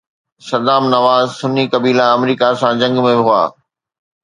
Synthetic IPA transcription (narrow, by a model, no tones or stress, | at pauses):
sɐd̪aːmnɐʋaːzsʊnikɐbiːlaɐmɾiːkasãd͡ʑɐ̃ŋɡmẽɦʊa̰ː